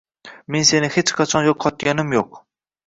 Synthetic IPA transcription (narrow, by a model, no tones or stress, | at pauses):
mensenɪhet͡ʃqʰɑt͡ʃʰɑnjoqʰːɑt̪ɡʲɑnɨmjoq